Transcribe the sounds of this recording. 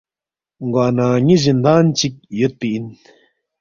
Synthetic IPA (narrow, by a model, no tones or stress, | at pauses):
ŋɡaːnaːɲizind̪aːnt͡ɕik̚jot̪̚piin